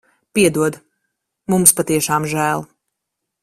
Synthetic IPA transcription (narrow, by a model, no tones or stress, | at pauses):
piɛd̪uɔd̪ | mumspat̪iɛʃaːmʒæːlˠ